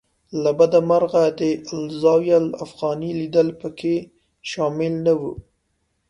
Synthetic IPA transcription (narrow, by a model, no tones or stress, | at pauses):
labad̪amaɾɣad̪əɪlzɑwjala̰fɣɑnilid̪əlpəkʰe | ʃɑmɪlnawu